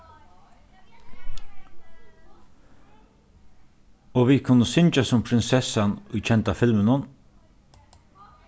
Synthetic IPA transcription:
ɔʋikʰʊnːəsʏnt͡ʃasʊmpʰɾɪnsɛsanʊjt͡ʃʰɛnt̪afɪlmənʊn

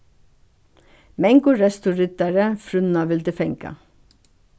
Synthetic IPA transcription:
mɛŋɡʊɾɛst̪ʊɾʏt̪æɾəfɾʉnɑʋɪld̪əfɛŋkɑ̰

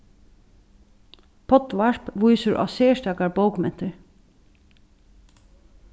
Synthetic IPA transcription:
pʰɔt̪ʋaɹpʋujsəɹʔa̰ːseːʂt̪aːkaɹbowkmɛn̥t̪ɪɹ

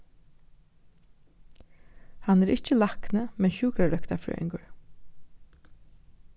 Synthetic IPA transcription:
hanɛɾʔɪcəlaknəmɛnçuːkɾaɾœkt̪afɹœ̰ːɪ̰ŋkəɹ

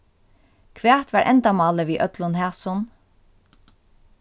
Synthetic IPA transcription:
kʰʋæːt̪ʋæːɹʔɛ̰nt̪amɑːləʋiːʔœt̪lʊnhæːsʊn

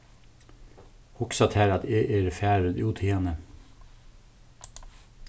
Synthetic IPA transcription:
hʊksɑt̪ʰhæːɾɑt̪eːʔeːɾfæːɾəd̪uːt̪ʰeːɑnə

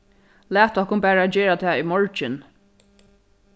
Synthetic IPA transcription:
læːt̪ɔhkʊnpæːɹaːd͡ʒɛːɹat̪ʰɛaːʊmɔɹt͡ʃɪn

